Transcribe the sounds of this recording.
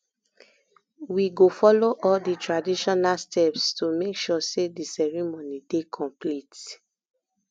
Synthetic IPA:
wiɡofɔloʔɔlditɹadiʃɔnalstɛpstumekʃɔsedisɛɹimonidekʰɔ̃mplit

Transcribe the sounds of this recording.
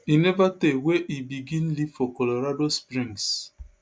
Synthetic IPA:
inɛvateweʔibiɡĩnliv̥fɔkɔloɾadospɹĩŋs

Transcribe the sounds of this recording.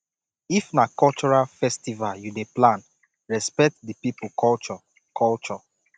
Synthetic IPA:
ifnakɔlt͡ʃɔɹalfɛstivaljudeplãn | ɹɛspɛk̚tdipipukɔlt͡ʃɔ | kʰɔlt͡ʃɔ

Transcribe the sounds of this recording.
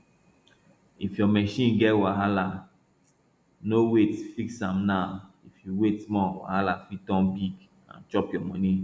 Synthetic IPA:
ifjɔmɛʃĩnɡɛtwaɦala | nowetfiksãmna | ifjuwetmɔwa̰halafitɔ̃mbiɡ | ã̰nt͡ʃɔpjɔmɔ̃nĩ

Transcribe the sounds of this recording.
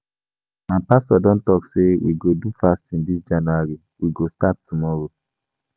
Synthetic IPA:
mapastɔdɔ̃ntɔksewḭɡodufastĩndisd͡ʒanuaɾi | wiɡostat̚tʰumɔɹo

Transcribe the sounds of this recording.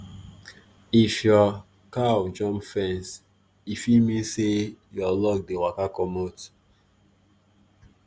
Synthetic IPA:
ifjɔ | kaɔd͡ʒɔ̃mpfɛ̃ns | ifimĩnsejɔlɔk̚dewakakɔmot

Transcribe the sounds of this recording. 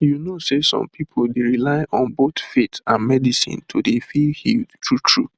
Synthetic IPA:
junosesɔ̰̃mpʰipʰoldeɹilaɪʔɔ̃nbotfetãnmɛdisḭ̃ntʰodefilhiltʰɹutʰɹṵ

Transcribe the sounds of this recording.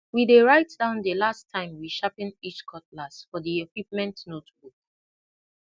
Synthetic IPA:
wideɹaɪtd̥ãʊ̃ndəlastʰːãɪ̃mwiʃapĩnit͡ʃkʰɔt̚lasfɔdiekw̥ip̚mɛ̃ntnotbuk̚

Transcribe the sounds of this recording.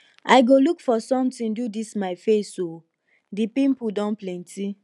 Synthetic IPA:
aɪɡolukfɔsɔ̃mtĩndudismaɪfeso | dipĩpudɔ̃nplɛ̃nti

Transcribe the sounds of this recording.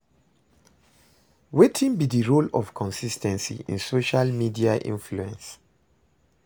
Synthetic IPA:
wetʰĩnbidiɹolɔ̰v̥kʰɔ̃nsistʰɛ̃nsḭḭ̃nsoʃalmidiaʔḭ̃nfluɛ̃ns

